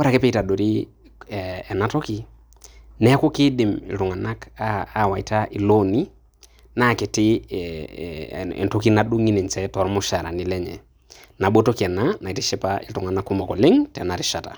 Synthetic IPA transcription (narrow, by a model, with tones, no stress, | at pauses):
wɾa˨kɛ˦pɛ˦i˦ta˨ɗo˨ɾi˦ | ɛː˨na˦to˦ki˦ | nɛ˦kʊ˦ki˦ɗɪ˨mɪ̰˨ltu˨ŋa˨na˦kaː˦˨wa˨i˨ta˦ʔɪ˨lo˦ni˦ | na˦˨ke˨tɪ˦ | ḛ˨nto˦ki˦na˨ɗu˦ŋi˦ne˨nt͡ʃɛ˦tɔ˨ɾmu˦ʃa˨ɾa̰˨ni˦lɛ˦ɲɛ̰˨ | na˨ɓo˦to˦ki˨ɛ˨na˦na˨i˨ti˦ʃɛ˦paɪ̰˦ltu˨ŋa˨na˦kːu˦mɔ˨kɔ˨lɪ˦ŋtɛ˨na˨ɾi˨ʃa˨ta̰˨